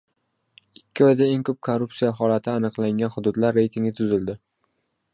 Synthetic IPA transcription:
ɪkʲʰːɪɒjd̪ae̞ŋkʰɵp̚kʰoɾːʊptsijaɦɒlat̪ʰɪanɨqlˠaŋɡʲanχʊd̪ʊd̪laɾːe̞jt̪ʰiŋʲɡʲɪt̪ʰʊzɪld̪ɪ

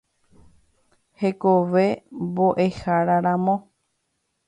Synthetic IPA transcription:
he̞koʋe̞bo̞ʔe̞haɾaɾãmõ

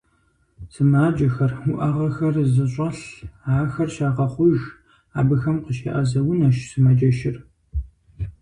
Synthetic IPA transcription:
sɨmaːd͡ʒɐxɐrʊʔɐʁɐxɐrzɨɕʼɐɬaːxɐrʃaːʁɐχʷʊʒ | a̰ːbɨxɐmqəʃḛːʔɐzɐwʊnɐʃsɨmɐd͡ʒʼɐʃɪr

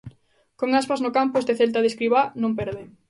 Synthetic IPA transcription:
koŋaspaznʊkampʊest̪eθelt̪aðeskɾiβanõmpɛɾðe

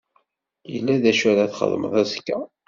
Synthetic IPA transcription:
jəlːæðæʃæɾaθχə̰ðˤmə̰ðˤæskːæ

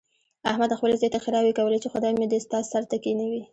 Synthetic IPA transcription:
a̰hmad̪xpəlezjɑt̪axɪɾɑwekawəlet͡ʃexʊd̪ɑjmed̪əst̪ɑzsaɾt̪akenawi

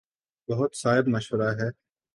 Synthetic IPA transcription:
bɐɦʊt̪saːɦɪbmɐʃʋəɾaɦɛː

